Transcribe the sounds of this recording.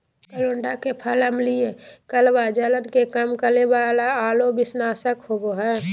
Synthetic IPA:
kəloɳɖakepʰəlɦəmliekəlbad͡ʒələnkekəmkəlebalaaːlobɪsnaːsəkhoboɦɛː

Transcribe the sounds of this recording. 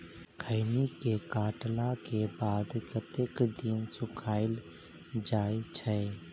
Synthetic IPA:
kʰəɪnikekaːʈlakebaːd̪kət̪ekd̪insʊkʰaːɪl | d͡ʒaːet͡ʃʰɛː

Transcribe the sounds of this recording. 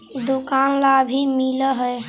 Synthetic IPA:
d̪ukanlabʱimiləɦəj

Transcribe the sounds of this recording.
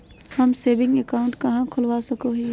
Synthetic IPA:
hɐmseːbɪ̃ŋɡekaːʊ̃ɳʈkɐɦãkʰʊlʋasɐkoɦɛ

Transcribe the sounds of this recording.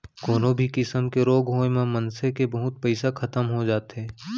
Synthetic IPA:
koːnobʱikɪsəmkeɾoːɡɦoːemẽmənsekebɐɦʊt̪̚pɛɪsakʰɐt̪əmɦod͡ʒaːt̪ɦɛː

